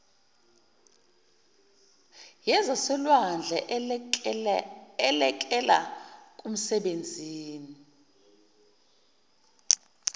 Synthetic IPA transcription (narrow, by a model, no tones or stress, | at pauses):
jɛzasɛlwand͡ɮʱɛʔ | ɛlɛk̬ʼɛla̰kʼum̩sɛɓend͡zʱiːni